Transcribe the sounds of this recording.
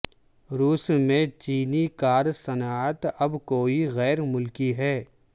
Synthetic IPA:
ɾuːsmẽt͡ʃiːnikaːɾsɐnaːt̪ɐbkoːiɣɛːɾmʊlkiɦɛː

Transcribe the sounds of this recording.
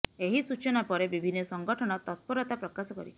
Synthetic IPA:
eɦisut͡ʃɔnapɔɾebibʱinːɔsɔŋɡɔʈʰɔɽ̃ɔt̪ɔt̪̚pɔɾɔt̪apɾɔkasɔkɔɾi

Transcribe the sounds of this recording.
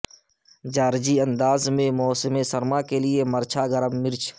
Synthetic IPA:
d͡ʒaːɾd͡ʒiɐ̃nd̪aːzmẽmɔːsmẽsɐɾmakeliemɐɾt͡ʃʰaɡəɾəmːɪɾt͡ʃʰ

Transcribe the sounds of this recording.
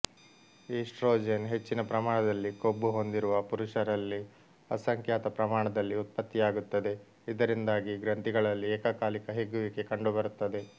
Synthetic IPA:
iːsʈɾoːd͡ʒenɦe̞t͡ʃːinɐpɾɐmaːɳɐd̪ɐlːiko̞bːuɦo̞nd̪iɾuʋɐpuɾuʂɐɾɐlːi | ɐsɐŋkjaːt̪ɐpɾɐmaːɳɐd̪ɐlːiut̪̚pɐt̪ːijaːɡut̪ːɐd̪e̞ | id̪ɐɾind̪aːɡiɡɾɐnt̪iɡɐɭɐlːiɛːkɐkaːlikɐɦeɡuʋike̞kɐɳɖubɐɾut̪ːɐd̪e̞

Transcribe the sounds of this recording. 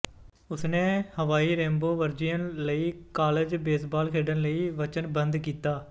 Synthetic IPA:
ʊsnẽːhəʋaːiːɾɛ̃ːmboːʋəɾd͡ʒijənləiːkaːləd͡ʒbeːsbaːlkʰeːɖənləiːʋət͡ʃənbənd̪kiːt̪aː

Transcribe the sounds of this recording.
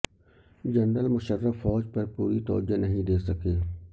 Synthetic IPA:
d͡ʒɐnɾəlmʊʃəɾːəfːɔːd͡ʒpɐɾpuːɾit̪ɔːd͡ʒanɐɦĩd̪eːsɐkeː

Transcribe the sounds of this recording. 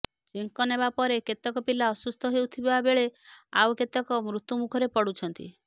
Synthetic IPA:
t͡ʃiŋkɔnebapɔɾeket̪ɔkɔpilaɔsust̪ʰɔɦewt̪ʰibebabeɭea̰wket̪ɔkɔmɾut̪umukʰɔɾepɔɽut͡ʃʰɔnt̪ḭ

